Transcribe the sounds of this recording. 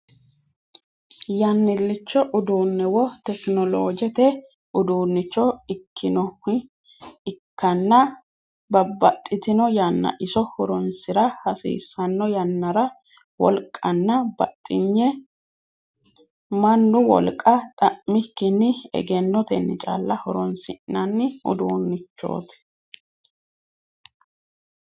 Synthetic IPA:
jɐnːɪlːɪt͡ʃːɔʔʊd̪uːnːɛwɔt̪ɛknɔloːd͡ʒɛt̪ɛ | ʊd̪uːnːɪt͡ʃːɔɪkʰːɪnɔ | ɪkːɐnːɐ | bɐbɐt̪ʼːɪt̪ɪnɔjɐnːɐ̰ʔɪsɔhʊɾɔnsɪɾɐhɐsḭːsːɐnːɔjɐnːɐɾɐ | wɔ̰lkʼːɐnːɐbɐ̰t̪ʼːɪɲːɛ | mɐnːʊwɔ̰lkʼːɐt̪ʼɐʔːɪkːɪnːɪɛ̰ɡɛnːɔt̪ɛ̰nːɪt͡ʃʼa̰ːlːɐhɔɾɔnsɪːɐnːɪʊ̰d̪uːnːɪt͡ʃːo̰ːt̪ɛ̥

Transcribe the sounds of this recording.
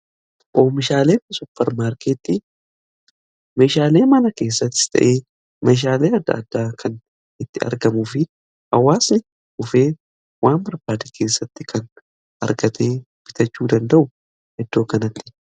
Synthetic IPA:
ʔo̞ːmɪʃaːle̞ːnɪsʊpːɛɾmaːɾkeːt̪ːi | meːʃaːle̞ːmɐnɐke̞ːs̬ːɐt̪ːɪ̥st̪ʰɐ̰ʔeː | mɐʃ̬aːle̞ːɐd̪ːɐ̰ʔɐd̪ːaːkʰɐn | ʔɪt̪ːɪɐ̰ɾɡɐmuːfɪ | ʔɐwːaːsnɪ | ʊfe̞ː | waːnbɐɾbaːd̪ekʰe̞ːsːɐt̪ːɪ̥kʰɐn | ʔɐ̰ɾɡɐt̪ʰeː | b̥ɪ̥t̪ɐt͡ʃːuːd̪ɐnd̪ɐʔʊ | hɛd̪ːo̞ːkɐnɐt̪ːɪ̥

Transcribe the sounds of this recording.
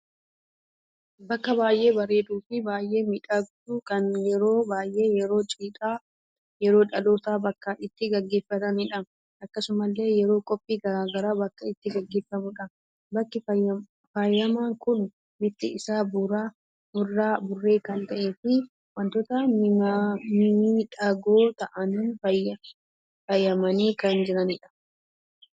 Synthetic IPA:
bɐkːɐbaːjʔe̞ːbɐɾe̞ːᶑ̪uːfɪbaːjʔe̞ːmɪᶑɐɡd̪ukɐnjɛɾo̞ːbaːjʔe̞ːjɛɾo̞ːt͡ʃʼiːt̪ʼaː | jɛɾo̞ːᶑɐloːt̪aːbɐkːɐʔɪt̪ːɪɡɐɡːe̞ːfːɐt̪ɐniᶑɐm | ɐkːɐsʊmɐlːe̞ːjɛɾo̞ːkʼɔpʼːiːɡɐɾaːɡɐɾaːbɐkːɐɪt̪ːɪɡɐɡːeːfːɐmɪᶑʼɐm | bɐkːɪ | fɐjːɐmaːŋkʊn | bɪt̪ːɪɪsaːbʊɾaː | bʊrːaːbʊrːe̞ːkɐnt̪ɐʔeːfɪ | wɐnt̪ɔt̪ɐnɪnɪmiːᶑɐɡoːt̪ɐʔɐniːfɐj | fɐjːɐmɐniːkɐnd͡ʒɪɾɐniᶑɐ̥

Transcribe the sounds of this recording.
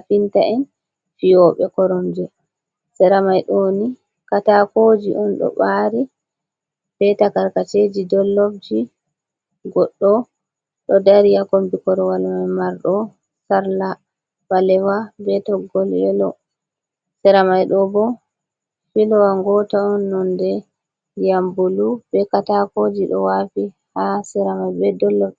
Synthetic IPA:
afintaʔɛn | fijɔɓɛkɔɾɔmd͡ʒɛ | sɛɾamajɗoːni | katakoːd͡ʒiʔɔnɗɔ̰ɓaɾi | b̥ɛtakaɾkat͡ʃed͡ʒidɔlːofd͡ʒi | ɡɔɗːɔ | ɗɔdaɾijakombikɔɾɔwalmajmaɾɗɔ | saɾla | balɛwabɛtɔɡɔlɛ̰lɔ̰ | sɛɾamajɗɔbɔ | filɔwaŋɡɔtaɔnːɔndɛ | lijambulubɛkatakod͡ʒiɗɔ̰wafihasɛɾamajbɛdɔlːɔf

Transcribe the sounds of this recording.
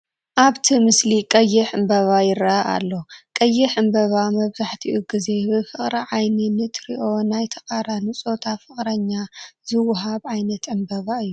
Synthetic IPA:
ʔaβt̪ʰimɨslikʼɐjːɛħɨmbɐβajɪraaʔa̰lːo̞kʼɐjːɛħɨmbɐβamɐβzaħt̪ʰiʔuɡize̞bɨfɨχʼɾɐʕajninɨt̪ʰɾiʔo̞najt̪ʰɐχʼaɾanɨsʼo̞t̪ʰafɨχʼɾɐɲːazɨwʊɦaβʕajnɐt̪ʕɨmbɐβaɨjːu

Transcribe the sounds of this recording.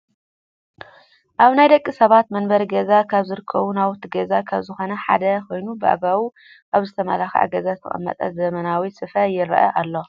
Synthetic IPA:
ʔaβnajd̪ɐkʼːisɐβat̪mɐnbɐɾiɡɐzakʰaβzɨɾɨkʰːɐβunaβt̪ʰːiɡɐzakʰaβzɨxo̞nɐħa̰d̪ɐkʰo̞jnubɨʔa̰ɡawu | ʔaβzɨt̪ʰɐmɐlaxɐ̰ʕ̰ɡɐzazɨt̪ʰɐχʼɐ̰mːɐ̰t̪ʼɐzɐmɐnawisɨfɐjɪɾʔɐ̰ʔalːo̞

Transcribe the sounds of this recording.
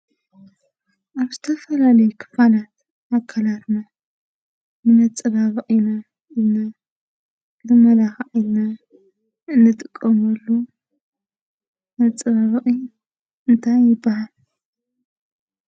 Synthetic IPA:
ʔaβzɨt̪ʰɐfɐlalɐjukʰɨ̥fanat̪ | ʔakʰalat̪na | nɨmɐt͡sʼɨβaβɐʔʼina | ilna | zɨmɐlaxaʔilna | ɨnːɨt̪ʼɨkʼːɐmɐlːu | mɐt͡sʼɨβaβɨʔʼi | ɨnt̪ʰajːɪbːahal

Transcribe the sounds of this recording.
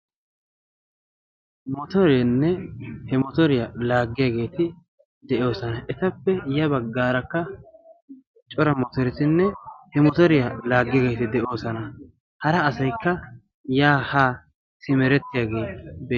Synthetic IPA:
mɔt̪ɔɾɛnːɛhɛmɔt̪ɔɾɪjɐlaːɡːɪjaːɡe̞ːt̪ɪ | d̪ɛʔo̞ːsɐnɐʔɛt̪ɐpːɛjɐbɐɡːaːɾɐkːɐ | t͡ʃʼɔɾɐmɔt̪ɔɾɪt̪ɪnːɛhɛmɔt̪ɔɾɪjɐlaːɡːɪjaːɡe̞ːt̪ɪd̪ɛʔo̞ːsɐnɐ | hɐɾɐːsɐjkːɐ | jaːhaː | sɪmɛɾɛt̪ːɪjaːɡe̞ːbeː

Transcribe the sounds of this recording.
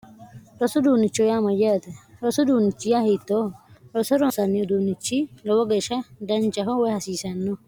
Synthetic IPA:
ɾɔsɔd̪uːnːɪt͡ʃːɔjaːmɐjɐt̪ɛɾɔsʊd̪uːnːɪt͡ʃːɪjaːhɛt̪ːɔɾɔsɔɾɔsɐnːɪjɔd̪uːnːɪt͡ʃːɪlɔwɔɡeːʃɐd̪ɐnt͡ʃːɐhɔwɔjhɐsiːsɐnːɔ

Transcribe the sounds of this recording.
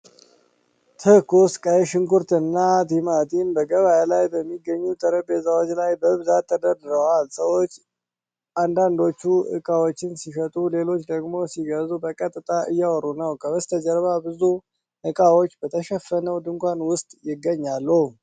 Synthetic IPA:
t̪ʰɨkuskʼəjeʃɪŋɡuɾt̪ɨnːat̪ʰimat̪ʰʼinbəɡəβajalajbəmːiɡːəɲːut̪ʰʼəɾəbezawot͡ʃːlajbəβɨzat̪ʰːəd̪ad̪ɨɾəwalsəwo̞t͡ʃː | ʔand̪and̪o̞t͡ʃːuʔɨ̰kʼawot͡ʃːɪnsifət̪ʼule̞lo̞t͡ʃːd̪əɡmo̞siɡəzubəkʼət̪ʼːɨt̪ʼaʔɨjːawɔɾunəwkʰʼəβəst̪ʰəd͡ʒəɾβabɨzu | ʔɨkʼawo̞t͡ʃːbət̪ʰəʃəfːənəwd̪ɨŋkʷanwʊst̪ʼjɪɡːəɲːalːuhu

